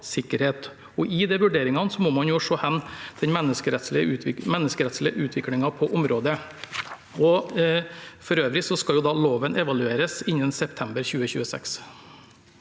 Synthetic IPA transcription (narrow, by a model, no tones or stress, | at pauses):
sɪkːəɾheːt̪ | ɔʔɪd̪ɛʋʉɖeːɾɪŋɑnsɔmɔːmɑnjʊʂoːhɛnːd̪̥ɛnmɛnːəskəɾɛt̪slɪəʉːʋɪmɛnːəskəɾɛt̪slɪəʔʉːt̪ʰʋɪklɪŋɑpʰɔʔʊmɾoːd̪ə | ɔ | fɔɾøːʋɾɪsɔskɑljʊd̪ɑloːʋənʔɛʋɑlʉeːɾəsɪnːənsɛp̚t̪ʰɛmbəɾçʉːəçʉ̰ːəsɛ̰ks